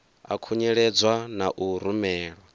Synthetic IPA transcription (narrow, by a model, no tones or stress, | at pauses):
a̰kʰuɲɛɺɛd͡zwanaʔuɾumɛːɺɔ